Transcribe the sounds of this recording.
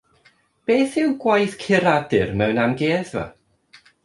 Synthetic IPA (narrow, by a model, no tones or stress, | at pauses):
b̥eːθɪwɡ̥wajθkʰɪɾadɨrmɛwnamɡeːðva̰